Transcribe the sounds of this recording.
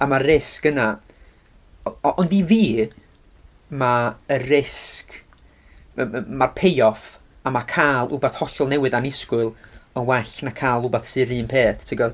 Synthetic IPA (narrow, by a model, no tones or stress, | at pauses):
amaɪskəna | ʔɔndiviː | maərɪsk | marpʰejɔf | amakʰaːlˠʔʊ̰baθhɔɬɔlˠnɛwɨðanɪskwʊlˠənwɛɬnakʰaːlˠʊbaθsɨɾɨːnmpʰeːθtʰɪɡɔ